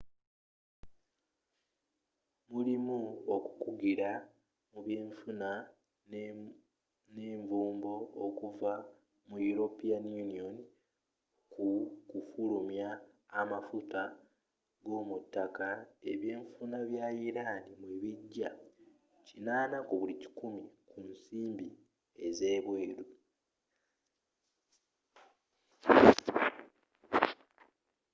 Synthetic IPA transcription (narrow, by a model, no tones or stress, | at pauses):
mulimuoku̥kuɡiɾa | muβjeːɱfuna | ne̞ːɱvuːmbo̞ːkuva | mujuɾo̞pianjunioni | kukufulumjaː | mafuta | ɡo̞ːmutːakae̞βje̞ːɱfunaβjaiɾanimweβiɟːa | cinaːnakuβulici̥kumikunsiːmbi | e̞ze̞ːβwe̞ːɾu